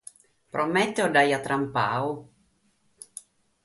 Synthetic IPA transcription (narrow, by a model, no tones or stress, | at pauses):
pɾʔɔmɛt̪ːodajat̪ɾʔampa̰ːu